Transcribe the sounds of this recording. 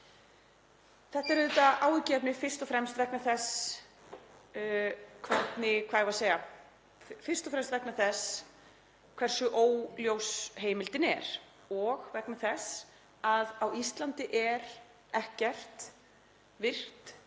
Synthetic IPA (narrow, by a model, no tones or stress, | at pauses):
θɛht̪aɛɾðʏːt̪aaːwɪcɛpnɪfɪr̥st̪ɔfɾɛmst̪vɛknaθɛs | kʰvɛt̪nɪkʰvaːðvaseja | fɪr̥st̪ɔfɾɛmst̪vɛknaθɛs | kʰv̥ɛr̥sʏʔoːwljowsɦeːjmɪlt̪ɪnɛɾ̥ | ɔɣvɛknaθɛs | aðawist̪lant̪ɪʔɛɾ | ɛhcɛr̥t̪ | vɪr̥t̪